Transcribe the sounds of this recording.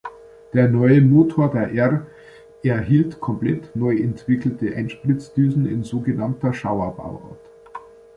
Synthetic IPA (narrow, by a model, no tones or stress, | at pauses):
d̥eːɐnɔʏəmoːtʰoːɐdeːɐʔɛʁ | ʔɛɐɦiːltkʰɔmplɛtnɔʏʔɛntv̥ɪkl̩təʔaɪnʃpʁɪt͡sd̥yːzn̩ɪ̰nzoːɡənamtɐʃaʊɐba̰ʊʔɔ̰ɐt